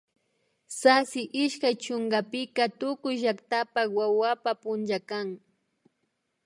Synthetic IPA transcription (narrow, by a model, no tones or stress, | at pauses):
sasɪʔɪʃkajt͡ʃoŋɢɑpɪkat̪ʊkʊjʒakt̪apawawapapʊnt͡ʃakaŋ